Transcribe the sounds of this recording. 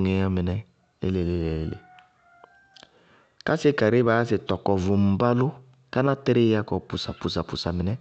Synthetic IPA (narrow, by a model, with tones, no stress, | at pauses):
ŋe˨a˦mɪ˨nɛ˦ | lḛ˦le˨le˦le˨le˦lḛ˨ | ka˦se˦ka˨ɾe˦ba˨˦a˦s̬e˨tɔ˨kɔ˨vu˨m̩˨ba˦lʊ˦ | ka˦na˦tɛ˦ɾe˦a˦kɔ˨pu˨sa˨pu˨s̬a˨pu˨sa˨mɪ˨nɛ˦